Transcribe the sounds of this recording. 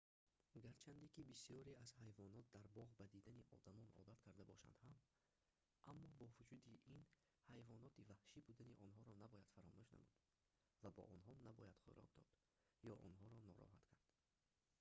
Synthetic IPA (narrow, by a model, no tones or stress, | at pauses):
ɡaɾt͡ʃʰand̪ekibisiɔɾiazhajvɔnɔt̪̚d̪aɾbɔʁbad̪id̪aniʔɔ̰d̪amɔnɔ̰d̪at̪kʰaɾd̪abɔʃa̰nd̪ham | ʔamːɔbɔvud͡ʒud̪iin | hajvɔnɔt̪ʰivahʃibud̪aniʔɔnɦɔɾɔnabɔjad̪̥faɾɔmuʃna̰mṵd̪̥ | vabɔ̰ʔɔnɦɔnabɔjad̪χṵɾɔ̰k̚d̪ɔ̰d̪̥ | jɔʔɔnɦɔɾɔnɔ̰ɾɔ̰ɦat̪kʰaɾd̪̥